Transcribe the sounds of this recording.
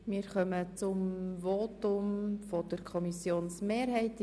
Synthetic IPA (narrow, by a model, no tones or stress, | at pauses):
miːɾχœmət͡sʊmʋoːtʊmfɔd̥əɾkʰɔmisjoːnsmeːɾɦɛɪt